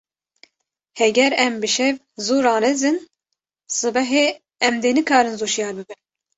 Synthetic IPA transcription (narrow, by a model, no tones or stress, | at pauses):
hɛɡʲɛɾɛmbɨʃɛv | zuːɾɑːnɛzɨn | sɨbɛɦe | ɛmd̪eːnɨkʰɑːɾɨnzuːʃjɑːɾbɨbɨn